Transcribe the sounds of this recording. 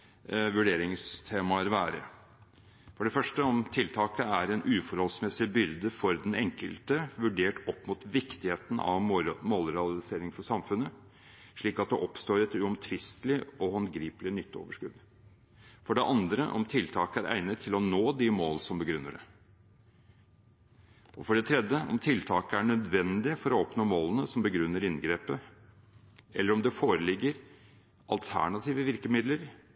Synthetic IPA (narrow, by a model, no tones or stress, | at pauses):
ʋʉɖeːɾɪŋst̪ʰeːmɑəɾʋæːɾə̰ɾ | fɔɖɛfœʂʈəɔmt̪ʰɪlt̪ʰɑːkəæɾɛnʔʉːfɔɾhɔlsmɛsɪbʏɾd̪əfɔɾd̪ɛnɛŋkə̰lt̪əʋʉɖeːʈɔpːmut̪ʋɪkt̪ɪheːt̪n̩ʔɑ̰ʋmoːlɾɛɑlɪseːɾɪŋfɔʂsɑmfʉnːə | ʂɭiːkɑt̪̚d̪ɛʔɔpst̪oːɾɛt̪ʉɔmt̪ʰʋɪst̪lɪɔhɑnɡɾiːpəlɪnʏt̪ːo̰ːʋəʂkʉd̪ | fɔɖɛʔɑnd̪ɾə̰ʔɔ̰mt̪ʰɪlt̪ʰɑːkəæɾʔæ̰ɪnət̪ʰːɪlɔnoːd̪ɪmoːlsɔmbəɡɾʉnːəɖɛ̰ | ɔfɔɖɛt̪ʰɾɛd̪əɔ̰mt̪ʰɪlt̪ʰɑːkəæɳœd̪ʋɛnd̪ɪfɔɾɔɔpnoːmoːlənəsɔmbəɡɾʉnːəɾɪnɡɾeːpə | ʔɛlːəɾɔmd̪ɛfoːɾəlɪɡːəɾ | ʔɑlt̪ʰæ̰ɳɑt̪ʰiːʋəʋɪɾkəmɪd̪ləɾ